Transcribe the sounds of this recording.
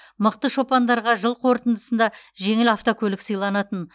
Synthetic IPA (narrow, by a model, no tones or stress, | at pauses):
məq̚t̪əʃo̞pɑnd̪ɑɾʁɑʒəlˠqʰo̞ɾt̪ənd̪əsənd̪ɑʒe̞ŋɪlaft̪okʲʰɵlɪksəjlˠɑnɑt̪ən